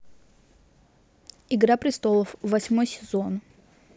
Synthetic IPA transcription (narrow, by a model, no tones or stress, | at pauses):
ɪɡɾapɾʲɪst̪olˠəfvɐsʲmojsʲɪzo̞n